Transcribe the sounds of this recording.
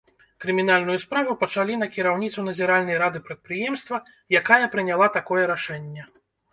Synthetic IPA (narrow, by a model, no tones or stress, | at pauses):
kɾɨmʲin̪alʲnujuspɾavupɐt͡ʂalʲinɐkʲiɾawnʲit̪sunɐzʲɛɾalʲnɐjɾad̪ɨpɾɐt̪̚pɾɨjɛmst̪vɐ | jakajɐpɾɨnʲalˠat̪akɔjɛɾaʂɛnʲːɛ